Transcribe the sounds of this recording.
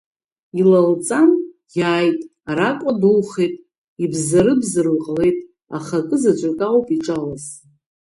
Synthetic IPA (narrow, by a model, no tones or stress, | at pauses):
ilalt͡sʼan | jaːjtʼaɾakʷʼadulχejtʼ | ibzaɾɨbzɨrlqʼle̞jtʼ | a̰χakʼɨzat͡ʃʷʼakʼawpʼiʈ͡ʂʼalaz